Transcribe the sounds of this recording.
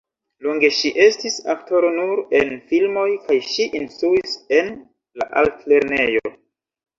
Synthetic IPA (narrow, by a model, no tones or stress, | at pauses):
loŋɡe̞ʃiʔe̞stisakto̞ɾo̞nuɾe̞nfilmo̞jkajʃiʔinstɾuise̞n | la̰ʔaltle̞ɾne̞jo̞̰